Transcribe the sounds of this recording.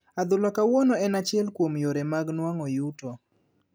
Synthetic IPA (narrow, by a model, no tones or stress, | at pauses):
ad̪ʊlɔkawɔnɔɛnat͡ʃjɛlkwomjoɾemaɡnwaŋɔjutɔ